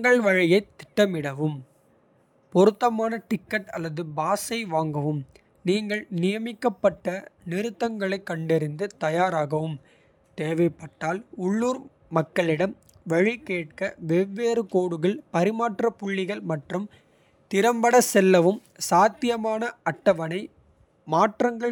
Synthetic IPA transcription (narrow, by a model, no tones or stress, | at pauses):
ɐŋɡɐɭʋɐɻɪjɐɪt̪ːɪ̥ʈːɐmɪɽɐʋɯm | pɔɾɯt̪ːɐmaːnɐʈɪkːɐʈɐlːɐðɯbaːsɐɪʋaːŋɡɐʋɯm | niːŋɡɐɭnɪjɐmɪkːɐpːɐʈːɐnɪɾɯt̪ːɐŋɡɐɭɐɪkːɐɳɖɪɾɪnd̪ɯt̪ɐjaːɾaːɣɐʋɯm | t̪eːʋɐɪpːɐʈːaːlʊɭːuːɾ | mɐkːɐɭɪɽɐm | ʋɛɻɪkeːʈ̚kɐʋɛʋːeːɾɯkoːɽɯɣɐɭpɐɾɪmaːʈrɐpʊɭːɪɣɐɭmɐʈrɯm | t̪ɪɾɐmbɐɽɐsɛlːɐʋɯm | saːt̪ːɪjɐmaːnɐɐʈːɐʋɐnɐɪ | maːʈrɐŋɡɐɭ